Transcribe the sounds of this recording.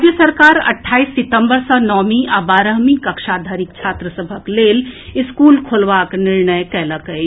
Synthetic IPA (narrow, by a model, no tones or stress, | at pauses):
d͡ʒjəsəɾkaːɾɐ̰ʈʰːaːisːɪt̪ə̃mbəɾsənɔːmiʔaːbaːɾəɦmikəkʃaːd̪ʱaːɾɪk̚t͡ʃʰaːt̪ɾəsəbʱəkleːlɪskuːlkʰolʋaːknɪɾnəjkɛːləkə